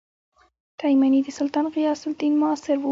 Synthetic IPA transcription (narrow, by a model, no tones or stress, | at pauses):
t̪ʰajmanid̪əsʊlt̪ɑnqɪjɑsʊlt̪inmʊasɪɾwu